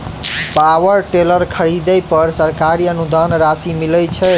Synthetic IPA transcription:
pawəɾʈeləɾkʰəɾid̪ɛjpəɾsəɾkaɾiənud̪anɾasimilɛt͡ʃʰɛ

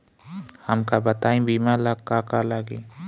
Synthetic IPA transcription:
hɐmkabət̪aːĩbiːmãlaɡkaːkalaɡeː

